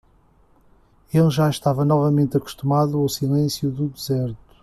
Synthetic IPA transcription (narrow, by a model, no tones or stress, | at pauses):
elˠʒaʃt̪avɐnɔvɐmẽnt̪ɐku̥ʃt̪umaðuawsilˠẽsjuðuðɨzɛɾt̪u̥